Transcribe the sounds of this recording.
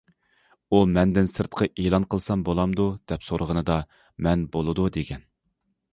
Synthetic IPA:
umɛnd̪ɪnsɨɾt̪qʰɑʔelˠɑnqʰəlˠsɑmbolˠɑmd̪ud̪̥ɛpsoɾəʁənɨd̪ɑ | mɛnbolˠɨd̪ud̪eɡʲɛn

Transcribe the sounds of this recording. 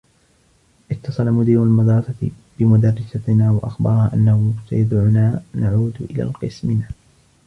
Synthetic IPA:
ʔɪt̪ːɑsˤɑlamʊd̪iːɾalmɑd̪ɾˤɑsɑt̪ | b̥ɪmʊd̪ɑrːɪsanaːwaʔaxbɑ̰ɾˤɑhaːʔanːahʊsa̰jad̪ʕʊnaːnaʕuːd̪ʔɪla̰ːlqɨsmɪnaː

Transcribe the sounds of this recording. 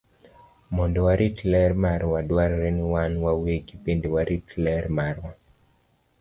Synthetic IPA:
mɔndɔwaɾitlɛrmaɾwadwaɾɾeniwanwaweɡipendewaɾʔitlɛɾmarwa

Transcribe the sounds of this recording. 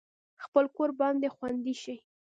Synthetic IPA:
xpəlkoɾbɑnd̪exwand̪iʃij

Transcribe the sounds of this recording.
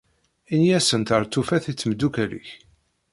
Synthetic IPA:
injæsənt̪əɾˤt̪ːufæθit͡sːmd̪ukælḭç

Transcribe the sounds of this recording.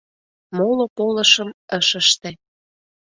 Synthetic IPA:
molopolə̆ʃə̆məʃə̆ʃt̪ĕ

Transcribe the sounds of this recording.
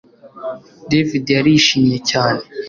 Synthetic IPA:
devidijaɾiːʃimjecaːne

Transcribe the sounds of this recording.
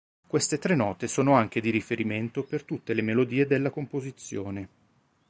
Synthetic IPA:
kwest̪et̪ɾenːɔːt̪esoːnoaŋk̟ed̪iɾifeɾiment̪opert̪ut̪ːelemelod̪iːed̪elːakompozit̪sːjoːne

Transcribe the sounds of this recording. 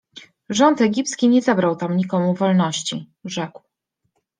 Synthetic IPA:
ʐɔnt̪ɛɡʲipt̪skʲiɲɛzabɾawt̪amɲikɔmuvɔlnɔɕt͡ɕi | ʐɛkw

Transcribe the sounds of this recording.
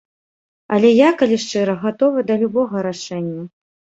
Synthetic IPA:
ɐlʲɛjakalʲiʂt͡ʂɨɾɐɣat̪ɔvɨd̪ɐlʲubɔɣɐɾaʂɛnʲːɐ

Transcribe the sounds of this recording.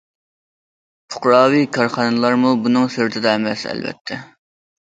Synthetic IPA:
pʰʊ̥χɾɑːwikʰɑɾχɑnɨlˠɑɾmubunɨŋsøɾt̪ʰɪd̪ɑɛmɛsɛ̰lbɛ̰t̪ʰːɛ

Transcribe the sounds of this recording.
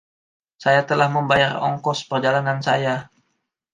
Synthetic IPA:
sajat̪əlahməmbajarɔ̰ŋkɔspərd͡ʒalanansaja

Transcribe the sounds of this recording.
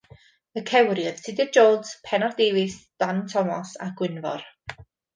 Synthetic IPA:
əkʰɛwrjəð̥sʰɪdɪd͡ʒoːdspʰɛnɔrdeːvɪsd̥antʰɔmɔsaɡ̥wɪnvɔ̰r

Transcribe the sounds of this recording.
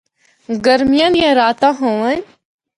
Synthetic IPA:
ɡəɾmijãnjãɾaːt̪ãɦõːʋanʲ

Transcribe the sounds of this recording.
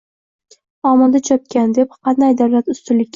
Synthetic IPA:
ɒmɒd̪at͡ʃʰɒp̚kʲʰand̪e̞p̚qɑnd̪ajd̪awlat̪ʊst̪ʊlɪkʲː

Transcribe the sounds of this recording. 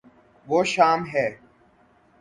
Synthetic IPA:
ʋoːʃaːmɦɛː

